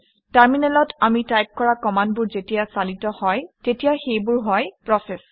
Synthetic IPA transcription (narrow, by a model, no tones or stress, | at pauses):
taɹminɛlɔtamitajp̚kɔɹakɔmandbʊɹzetijasalitɔhɔjtetijaxejbʊɹɦɔjpɹɔsɛs